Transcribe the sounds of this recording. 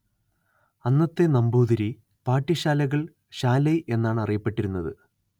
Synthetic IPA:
ɐnːɐt̪ːe̞nɐmbuːðɐɾi | paːʈːiɕaːlɐɣɐɭ | ɕaːlɐjʔe̞nːaːɳɨɐrijɐpːe̞ʈːiɾunːɐðɨ

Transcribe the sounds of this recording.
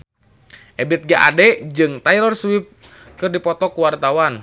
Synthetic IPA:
ʔɛbɛt̪̚ɡaʔa̰dɛd͡ʒɨŋt̪ajlɔrswip̚ | kɨrdipɔt̪ɔkuwart̪awan

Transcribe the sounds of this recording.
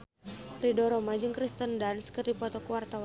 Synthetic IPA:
ridɔɾɔmad͡ʒɨŋkɾist̪əndanskɨrdipɔt̪ɔkuwart̪awa

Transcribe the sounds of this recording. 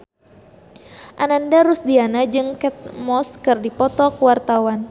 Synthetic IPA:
ʔanandaɾusdianad͡ʒɨŋkɛt̪̚mɔskɨrdipɔt̪ɔkəwart̪awan

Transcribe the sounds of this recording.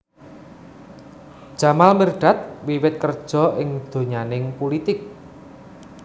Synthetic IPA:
d̥ʒ̥a̤malmərɖ̥a̤t̪̚wiwɪt̪̚kərd̥ʒ̥ɔ̤ɪŋd̪̥o̤ɲanɪŋpolit̪ɪk̚

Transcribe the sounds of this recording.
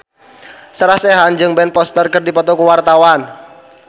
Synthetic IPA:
səɾahsɛɦand͡ʒɨŋbɛnpɔst̪ərkɨrdipɔt̪ɔkuwart̪awan

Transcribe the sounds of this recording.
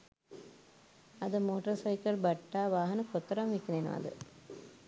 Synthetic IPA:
ɐd̪ɐmoːʈɐɾsɐɪkɐlbɐʈːaːʋaːɦɐnɐkɔt̪ːɐɾɐmʋikːneːnɐ̰ɐ̰d̪ɨ̰

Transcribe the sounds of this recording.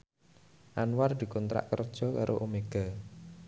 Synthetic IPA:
ʔanward̪̥i̤kɔnt̪ɾa̰ʔkərd̥ʒ̥ɔ̤kaɾʔo̰ʔomeɡ̥a

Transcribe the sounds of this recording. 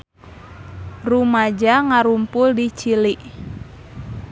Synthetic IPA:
rumad͡ʒaŋaɾumpʊldit͡ʃiliʔ

